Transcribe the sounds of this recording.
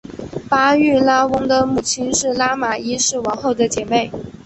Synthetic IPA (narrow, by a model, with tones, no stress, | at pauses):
pa˥y˥˩la˥wʊ˥ŋd̪ə˨mu˥˨˩t͡ɕʰi˥nʂɻ̩˥˩la˥ma˨˩i˥ʂɻ̩˥˩wɑ˧˥ŋxo˥˩ʊd̪ə˨t͡ɕjɛ˨˩me˥˩ɪ